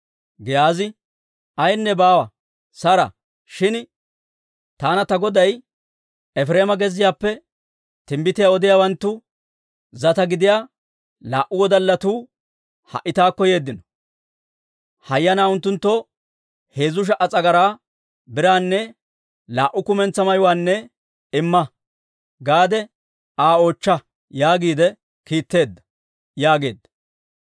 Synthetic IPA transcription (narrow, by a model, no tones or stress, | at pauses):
ɡɛjaːzɪ | ɐjnːɛbaːwɐ | sɐɾɐ̰ | ʃɪn | t̪aːnɐt̪ɐɡɔd̪ɐj | ɛfɾe̞ːmɐɡɛzːɪjaːpːɛ | t̪ɪmbɪt̪ɪjaːɔd̪ɪjaːwɐnt̪ːʊ | zɐt̪ɐɡɪd̪ɪjaː | laːʔʊwɔd̪ɐlːɐt̪uː | hɐ̰ʔɪt̪aːkːɔje̞ːd̪ːɪnɔ̥ | hɐjːɐnaːʊnt̪ːʊnt̪ːɔ | he̞ːzʊʃ̬ɐʔɐt͡sʼɐɡɐɾaː | bɪɾaːnːɛ | laːʔʊkʊmɛnt͡sːɐmɐjʊwaːnːɛ | ɪmːɐ | ɡaːd̪ɛ | aːo̞ːt͡ʃːɐ | jaːɡiːd̪ɛ | kiːt̪ːe̞ːd̪ːɐ̥ | jaːɡe̞ːd̪ːɐ